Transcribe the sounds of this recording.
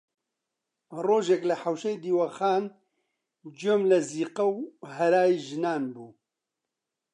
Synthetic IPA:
roːʒeklɐħawʃejd̪iːwaxaːn | d͡ʒoːmlɐziːqɐwɦɐɾaːjiːʒɨnaːnbuː

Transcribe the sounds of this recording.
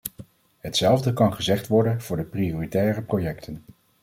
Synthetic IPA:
ɦətsɛlˠvdəkɑnχəzɛχtʋɔɹdənv̥ʊːɹdəprioːritɛːrəprojɛktʰən

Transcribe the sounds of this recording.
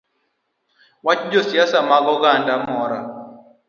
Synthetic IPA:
wat͡ʃd͡ʒɔsjasamaɡɔɡandamɔɾa

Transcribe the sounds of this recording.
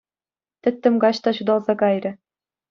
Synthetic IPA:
t̪ʲɘ̆t̪ʲːɘ̆mɡɑɕt̪ɑɕud̪ɑlˠzɑkɑjrʲɘ̆

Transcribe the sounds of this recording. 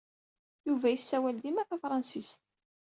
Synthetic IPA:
juvæjəsːæwæld̪imæθæfɾˤɑnsist̪

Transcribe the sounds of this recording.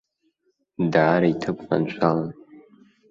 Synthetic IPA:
daːɾaitʰɨpʰʼna̰nt͡ʃʷʰalan

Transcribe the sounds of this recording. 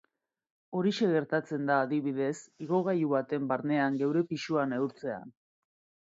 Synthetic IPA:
o̞ɾiʃe̞ɣe̞ɾt̪at͡se̞nd̪aːðiβ̞ið̞e̞siɣ̞o̞ɣajuβat̪e̞mbaɾne̞aŋɡe̞wɾe̞piʃuanewɾt͡se̞a̰n

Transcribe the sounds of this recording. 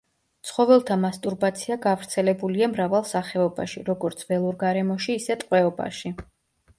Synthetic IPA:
t̪sʰχɔvɛlˠt̪ʰamast̪ʼuɾbat̪sʰiaɡavɾt̪sʰɛlɛbuliamɾavalˠsaχɛɔba̰ʃiɾɔɡɔɾt̪sʰvɛlˠuɾɡaɾɛmɔʃiːsɛt̪ʼqʼwɛɔba̰ʃi

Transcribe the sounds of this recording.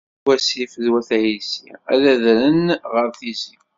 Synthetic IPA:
wæsifəðwæθæjisḭæ̰ðæðɾənʁəɾθizi

